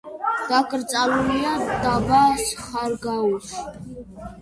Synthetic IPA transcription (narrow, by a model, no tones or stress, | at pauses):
d̪̥akʼɾt͡sʼaluliad̪abasχaɾɡaus